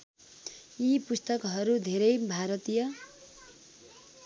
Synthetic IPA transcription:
ipust̪ʌkɦʌɾud̪ʱeɾʌjbʱaɾʌt̪ijʌ

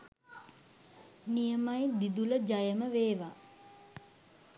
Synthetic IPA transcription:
nijəmajd̪id̪uləd͡ʒajəməʋeːʋa

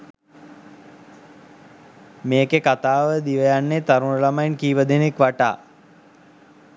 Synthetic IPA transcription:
meːkekat̪aːʋəd̪iʋəjanːet̪aɾunəlamajnkiːʋəd̪enekʋaʈa̰ː

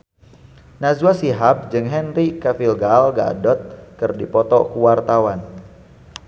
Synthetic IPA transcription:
nazwasiɦap̚d͡ʒɨŋɦɛnrikafilɡalɡa̰dɔt̪̚kɨrdipɔt̪ɔ̰kuwart̪awan

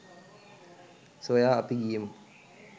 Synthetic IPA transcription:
sojaːɐpiɡijəmə

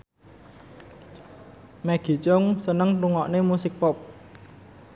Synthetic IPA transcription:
mɛɡ̥i̤t͡ʃɔŋsənəŋʈ̪uŋɔʔnemusɪk̚pɔp̚

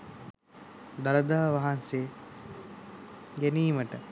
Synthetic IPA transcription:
d̪aləd̪aːʋaɦanseː | ɡæniːməʈə

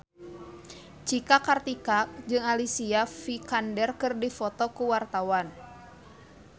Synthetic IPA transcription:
t͡ʃikakart̪ikak̚d͡ʒɨŋalisiafikandɛrkɨrdifɔt̪ɔkuwart̪awan

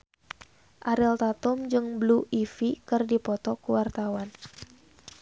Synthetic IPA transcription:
ʔaɾɛlt̪at̪ʊmd͡ʒɨŋbluʔifikɨrdipɔt̪ɔkuwart̪awan

